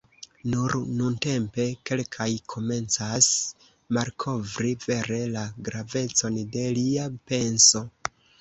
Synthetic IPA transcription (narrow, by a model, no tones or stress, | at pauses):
nuɾnunte̞mpe̞ke̞lkʰajkʰo̞me̞nt͡sas | maɾkʰo̞vɾive̞ɾe̞laɡɾave̞t͡so̞nde̞liape̞nso̞